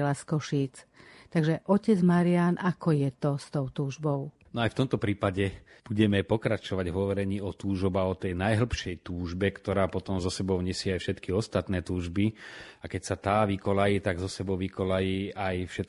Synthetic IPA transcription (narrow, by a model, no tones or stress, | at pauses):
laskɔʃiːt͡st̪aɡʒɛʔɔcɛd͡zmaɾianʔakɔjɛt̪ɔst̪ɔʊt̪uːʒbɔʊnɔajft̪ɔmt̪ɔpɾiːpaɟɛb̥uɟɛmɛpɔkɾat͡ʃɔʋaɟɦɔʋɔɾɛɲiːɔt̪uːʒɔbaɔt̪ɛjnajɦl̩pʃɛjt̪uːʒbɛkt̪ɔɾaːpɔt̪ɔmzɔsɛbɔʊɲɛsɪɛajfʃɛt̪kiɔst̪at̪nɛːt̪uːʒbiakɛcsat̪aːʋikɔlajiːt̪aɡzɔsɛbɔʊʋikɔlajiːajfʃɛt̪